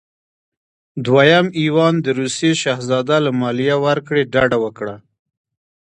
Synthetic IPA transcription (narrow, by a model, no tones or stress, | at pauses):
d̪wajamiwɑnd̪əɾuseʃɑhzɑd̪alamɑlijawaɾkɽeɖɑɖawəkɽa